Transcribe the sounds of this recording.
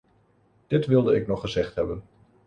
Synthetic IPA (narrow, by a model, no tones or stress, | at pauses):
d̥ɪtʋɪlˠdəɪknɔχːəzɛχtɦɛbən